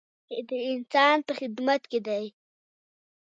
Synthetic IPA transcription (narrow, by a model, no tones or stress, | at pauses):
d̪əɪnsɑnpəxɪd̪mat̪ked̪aj